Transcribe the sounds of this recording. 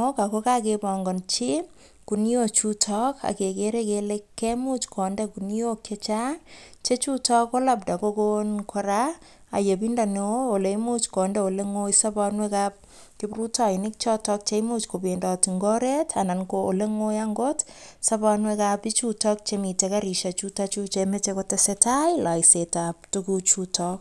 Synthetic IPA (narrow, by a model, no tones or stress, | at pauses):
okakokakebɔŋɡɔnt͡ʃi | kunjot͡ʃutʰɔka̰kekeɾekelekʰːemut͡ʃkʰɔndekunjoket͡ʃat͡ʃet͡ʃutɔkolap̚dakokonkʰɔɾa | a̰jep̬indaneolejmut͡ʃkɔndeoleŋojsapanwekap̚ | kɪprutajnɪk̚t͡ʃɔtɔk̚t͡ʃemut͡ʃkobendɔtiŋɡɔɾetʰanankoʔo̰leŋojaŋɡotsabanwekapit͡ʃutɔk̚t͡ʃemitekaɾiʃat͡ʃutat͡ʃut͡ʃemet͡ʃekɔtesetajlaisetap̚tukut͡ʃutʰɔk̚